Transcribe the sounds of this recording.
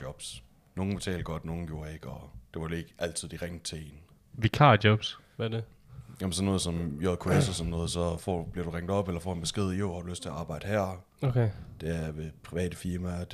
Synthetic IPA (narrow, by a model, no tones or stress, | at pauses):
ɒb̥s | no̝ːn̩b̥e̝t͡sʰɛ̰ːld̥̚ɡ̥ɒ̽d̥no̝ːn̩ɡ̥jo̝ːɐe̝ɡ̥ɒ̽d̥eʋɑ̈ʋele̝ɡ̥ʔæl̰t͡sʰið̞̰ˠd̥iʁeŋ̰d̥̚t͡sʰe̝e̝̰ːn | ʋikʰɑ̰̈d̥jɒb̥sʋæd̥ejæmnsɒ̽nːɔːð̞̩ˠsɒ̽mjoðˠkʰuesɒsɒnːɔ̽ːðˠsɒ̽fɒ̰b̥liɐɾ̥uʁaŋ̰d̥ɒ̽b̥elɐfɒ̰ːe̝nb̥e̝sɡ̥e̝ð̞̰ˠjoʊhɑ̈d̥uløsd̥t͡sʰe̝ɐɑ̈ːb̥ɑ̈ɪ̰d̥əhæɐ̰ | okʰed̥eæɐʋe̝pʰʁiʋɛ̰ːd̥əfiɐmæ̥